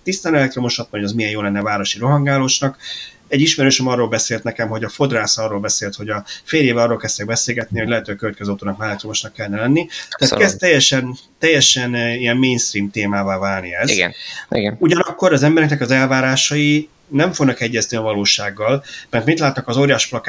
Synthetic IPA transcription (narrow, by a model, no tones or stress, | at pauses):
t̪ist̪aːnɛlɛkt̪ɾro̞muʃɒst̪moɲdɒzmijɛjoːlɛnːɛvaːɾo̞ʃiɾo̞ɦɒŋɡaːloːʃnɒk | ɛɟːiʃmɛɾøːʃɛmɒrːoːlbɛseːlt̪nɛkɛmɦo̞ɟɒfo̞d̪raːsɒrːoːlbɛseːlt̪ho̞ɟɒfeːljeːvɛɒrːolkɛst̪ɛɡ̚bɛseːlɡɛt̪̚niho̞ɟlɛɦɛt̪øːkøvɛt̪kɛzøɒwt̪oːnɒkmaɛlɛkt̪rɾomuʃnɒkːɛlnɛlɛnːit̪aːtkɛst̪ːɛjːɛʃɛn | t̪ɛjːɛʃɛnijɛmmeːjnst̪riːmt̪eːmaːvaːvaːlnḭɛzɡ̰nḭɡɛnuɟɒnɒkːo̞ɾɒzɛmbɛɾɛknɛkɒzɛlvaːɾaːʃɒji | nɛɱfoɡnɒkɛɟːɛzniɒvɒloːʃaːɡːɒlmɛrt̪mint̪laːt̪ːɒkɒzoːɾjaːʃplɒkː